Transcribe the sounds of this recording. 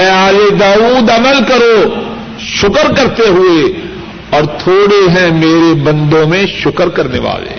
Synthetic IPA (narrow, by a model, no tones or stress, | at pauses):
ɐaːled̪aːuːd̪ɐməlkɐɾo | ʃʊkəɾkɐɾt̪eɦʊe | ɔːɾt̪ʰoːɽeɦɛ̃meːɾebɐ̃nd̪õmẽʃʊkəɾkɐɾnḛʋa̰ːlḛː